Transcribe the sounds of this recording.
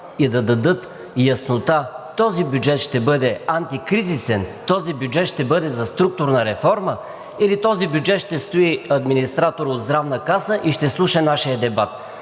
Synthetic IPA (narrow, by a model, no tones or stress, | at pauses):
id̪ɐd̪ɐd̪ɤt̪ | jɐsnot̪at̪ɔzibʲjud͡ʒɛt̪ʃt̪ɛbɤd̪ɛant̪ikɾizisɛnt̪ɔzibjud͡ʒɛt̪ʃt̪ɛbɤd̪ɛzɐst̪ɾuk̚t̪ʊɾnɐɾɛfɔɾmə | ilit̪ɔzibʲjud͡ʒɛt̪ʃt̪ɛst̪oiɐd̪minist̪ɾat̪oɾod̪zd̪ɾavnəkasəʔiʃt̪ɛslˠuʃənaʃijəd̪ɛbat̪